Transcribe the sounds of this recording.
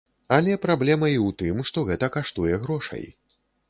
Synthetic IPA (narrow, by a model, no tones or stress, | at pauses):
alʲɛpɾablʲɛmɐiwt̪ɨmʂt̪ɔɣɛt̪ɐkaʂt̪ujɛɣɾɔʂɐ̰j